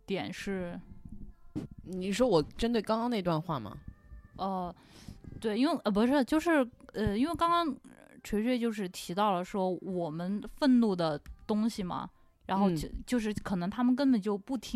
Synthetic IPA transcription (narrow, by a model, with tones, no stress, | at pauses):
t̪jɛ˨˩nʂɻ̩˥˩ | ni˨˩ʂwɔ˥wɔ˨˩ʈ͡ʂə˥nt̪we˥˩ɪkɑ˥ŋkɑ˥ŋn˥˩˧t̪wa˥˧nxwa˥˩mɐ̰˩ə˥˧˩ | t̪we˥˩ɪi˥nwe˥˩ɪʔə˥˩p̬u˧˥ʂɻ̩˥˩˧t͡ɕjo˥˧ʊʂɻ̩˥˩ə˥˧i˥nwe˥˩ɪkɑ˥ŋkɑ˥ŋ | ʈ͡ʂʰwe˧˥ɕɥt͡ɕjo˥˧ʊʂɻ̩˥˩t̪ʰi˧˥t̪ɑ˥˩ʊlə˩ʂwɔ˥wɔ˨˩mə˦nfə˥˧nnu˥˩d̪ə˩t̪ʊ˥ŋɕi˨˩mɐ̰˩ | ɻa˧˥nxo˥˧ʊ˥t͡ɕjo˥˧ʊʂ̬ɻ̩˥˩kʰɤ˨˩nɤ˧˥ŋt̪ʰa˥mə˨nk̬ə˥npə˨˩nt͡ɕjo˥˧ʊpu˥˩t̪ʰi˥